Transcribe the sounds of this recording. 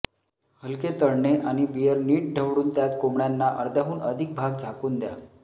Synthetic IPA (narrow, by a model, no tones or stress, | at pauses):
həlket̪əɾɳeʔaɽ̃ibijəɾniːʈ̚ɖʱəʋɽuːnd̪jat̪komɳjanːaʔəɾd̪aɦuːnəd̪ʱik̚bʱaɡd͡zʱakuːnd̪ja̰